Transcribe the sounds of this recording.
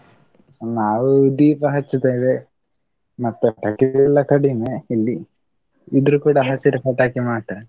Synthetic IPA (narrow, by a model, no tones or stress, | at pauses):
naːʋud̪iːpɐɦɐt͡ʃːut̪aːjid̪e | mɐt̪ːeʈakiɛlːɐkɐɽimeilːi | id̪ɐɾukuːɽɐɦasiɾɐpɐʈ̪aːkimaːʈɐ